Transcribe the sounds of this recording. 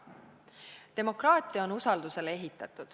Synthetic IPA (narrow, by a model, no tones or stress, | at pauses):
t̪e̞mo̞krɑːt̪ːˑiɑonusɑld̪̥use̞le̞ɦit̪ːˑɑt̪ːˑud̪̥